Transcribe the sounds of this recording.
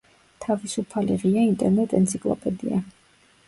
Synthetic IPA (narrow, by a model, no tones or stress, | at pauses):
t̪ʰavisupʰalḭʁiaint̪ʼɛɾnɛt̪ʼɛ̰nt̪sʰikʼlˠɔ̰pʼɛd̪ḭa̰